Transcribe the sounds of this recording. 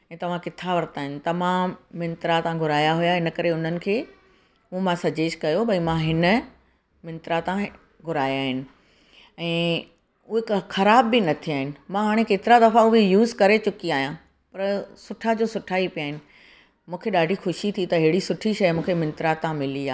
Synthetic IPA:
ɛ̃ːt̪ɐʋ̤ãkɪt̪ʰaʋɐɾt̪aːɦɪnɪ̆t̪ɐmãːmːɪ̃nt̪ɾat̪ãɡʱʊɾaːjaɦʊjaɦɪnə̆kɐɾeʊn̤ənɪ̆kʰeː | umãsɐd͡ʑeːʃkɐjobʱɐĩmãɦɪnə | mɪ̃nt̪ɾat̪ã | ɡʱʊɾaːjaːɦɪnɪ̆ | ɛ̃ː | ukxɐɾaːbːɪnɐt̪ʰiaːɦɪnɪ̆mãɦaːɽ̃ekeːt̪ɪɾad̪ɐfãʊɦejuːzkɐɾet͡ɕʊkiaːɦijã | pɐɾsʊʈʰad͡ʑoːsʊʈʰaːipijaːɦɪ̃nɪ̆ | mũːkʰeɗaːɖʱixʊʃit̪ʰit̪ɐɦɪɦɽisʊʈʰiʃɐjmũːkʰemɪ̃nt̪ɾat̪ãmɪliaː

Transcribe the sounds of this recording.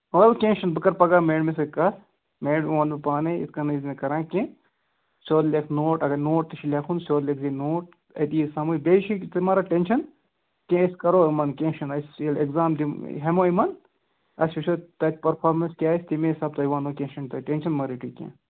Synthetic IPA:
ɐɐlkʲẽːnʃɐnbɨkɐɾpɐɡaːmeːɖmes̬ɐkɐs | meːɖʋãːnipaːneḭskɐnɐznekɐɾãːkʲẽː | sʲoːd̪lekʰnoːʈɐɡɐnoːʈ̚t̪ɨʃʰilʲekʰunsʲoːlleːkzinoːʈ̚ | ɐ̰t̪ijisɐmubeːʃit̪ɨmɐːɾaʈenʃɐn | kẽɐskɐɾoːmɐnkʲẽːʃɐnɐselekzaːmd̪iɦemoːimɐn | ɐsiʃot̪ɐt̪̚ʰʲpɐɾpʰaːɾmɐnskʲaːisʲt̪imẽsɐːb̚t̪ɐjiʋaːnoːkʲẽnʃɐnt̪ɐʈenʃɐnmɐɾiʈikʲḛ̃ː

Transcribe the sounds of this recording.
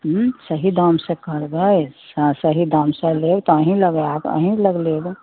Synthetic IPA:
ɦsəɦid̪amsẽkəɾbəsãsəɦid̪aːmseleːɡt̪ɔəɦĩləɡeaːpə̰ɦĩləɡleːɡ

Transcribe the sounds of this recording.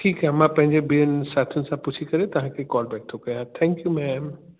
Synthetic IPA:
ʈʰiːkɦaɦmãpɐ̃ɦɪ̃ɲd͡ʑebiːənɪsaːt̪ʰijʊnɪ̆sãpʊt͡ɕʰikɐɾet̪ɐʋ̤ãkʰekɔːlbɛːʈ̚t̪ʰːokɐjat̪ʰɛ̃ːŋkjumɛːm

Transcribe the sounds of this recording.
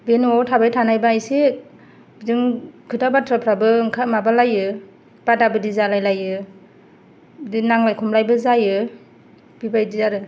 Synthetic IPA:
benuawtʰabajtʰanajbaajse | bidɯŋkʰɯtabatʰɾapʰɾabɯŋkʰamabalajɯ | b̥adabɯdizalajlajɯ | dinaŋlajkʰɔmlajbɯzajɯ | b̥ibajdizaɾɯ

